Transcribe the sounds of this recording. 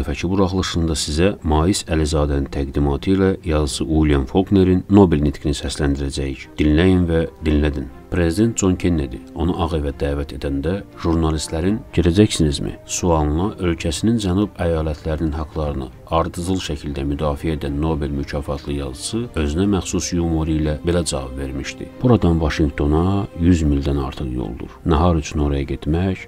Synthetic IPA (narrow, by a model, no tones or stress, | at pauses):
fæcʰibuɾɑχlˠɯʃɯnd̪ɑsizæmɑːjisælizɑːd̪ænint̪ʰæɡd̪imɑːt̪ʰɯilæjɑzɯsɯʔulijɑnfo̞lɡne̞ɾinːo̞belnit̪ʰɡinisæslænd̪iɾæd͡ʒæjicd̪̥inlæjinvæd̪inlæd̪inpʰɾe̞zid̪e̞nt̪̚ʰd͡ʒo̞ncʰenːed̪io̞nuʔɑɣevæd̪æːvæt̪ʰe̞d̪ænd̪æʒuɾnɑlist̪læɾinɟʰelæd͡ʒæçsinizmḭsuɑnlˠɑʔø̞lcʰæsinind͡ʒænubæjɑːlæt̪ʰlæɾininɦɑɡlˠɑɾɯnɯ̰ | ɑɾd̪ɯzɯlˠʃæcʰild̪æmyd̪ɑːfiæed̪ænːo̞belmycʰɑːfɑt̪ʰlˠɯjɑzɯsɯø̞zynæmæxsusjumoɾilæbe̞læd͡ʒɑvɑbve̞ɾmiʃd̪ḭb̥uɾɑd̪ɑnvɑʃiŋɡt̪ʰo̞nɑjyzmild̪ænɑ̰ɾt̪ʰɯχjo̰lˠd̪ṵɾnɑɦɑɾyt͡ʃʰyno̞ɾɑjɑɟe̞t̪mæç